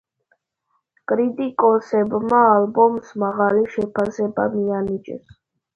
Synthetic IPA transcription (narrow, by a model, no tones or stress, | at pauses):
kʼɾit̪ʼikʼɔsɛbmaːlbɔmsmaʁaliʃɛpʰasɛba̰mianit͡ʃʼɛ̰s